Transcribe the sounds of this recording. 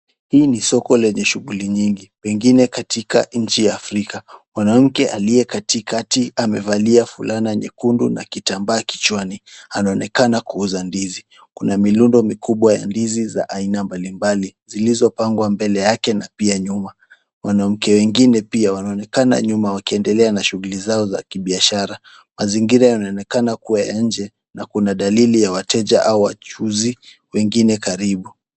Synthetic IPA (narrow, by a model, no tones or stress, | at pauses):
hiːnisɔkɔlɛɲɛʃuɣuliɲiŋɡiwɛŋɡinɛkatika̰ɲ̩t͡ʃijaːfɾikamwanam̩kɛʔalijɛkatikatiamɛvaliafulʔanaɲɛ̰kundṵna̰kitambaːki̥t͡ʃwanianaɔnɛkanakuuzandizi | kunamilundɔmikuɓwaja̰ndiziza̰ʔainambalimbalizilizɔpaŋɡwambɛlɛjakɛnapiaɲuma | wʔanam̩kɛwɛŋɡinɛpiawanaɔnɛkana̰ɲumawakiɛndɛlɛanaʃuɣulizaɔza̰kiɓiaʃaɾa | maziŋɡiɾajɔnaɔnɛkanakuwaja̰ɲ̩d͡ʒɛ | nakunaɗalilijawatɛd͡ʒaʔauwa̰t͡ʃuzi | wɛŋɡinɛkaɾiɓu